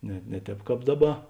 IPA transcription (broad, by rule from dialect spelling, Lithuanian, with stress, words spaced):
nʲɛ ˈnʲɛ ˌtʲɛːp ˈkɑːp ˈdɑːˌbɐ